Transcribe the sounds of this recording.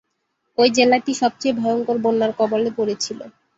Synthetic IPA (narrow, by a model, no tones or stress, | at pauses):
ojd͡ʑelaʈiʃɔb̚t͡ɕejbʱɔjoŋkoɾbonːaɾkɔbolepoɾet͡ɕʰilo̰